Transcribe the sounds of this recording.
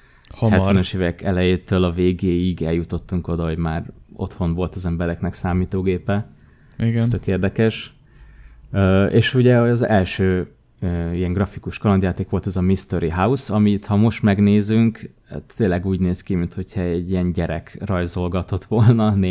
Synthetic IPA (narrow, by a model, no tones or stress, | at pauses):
hohɛɛnøʃeːvɛkɛlɛjeːt̪øːlɒveːɡeːiɡɛljut̪o̞t̪ːuŋko̞d̪ɒɦo̞ɟmaːro̞̰t̪ho̞nvo̞lt̪ɒzɛmbɛɾɛknɛksaːmiːt̪oːɡeːpɛ | iɡst̪økeːrd̪ɛkɛʃ | øːeːʃuɟɛoɒzɛlʃøː | øːijɛŋɡrɒfikuʃkɒlɒnd̪jaːt̪eːkʋo̞lt̪ɛzɒmist̪oɾiɦausɒmit̪hɒmo̞ʃt̪mɛɡneːzyŋk | t̪ːeːnlːɛɡuːɟneːskimint̪ho̞chɒɛɟːijɛnɟɛɾɛkrɒjzo̞lɡɒt̪o̞t̪ʋo̞lnɒne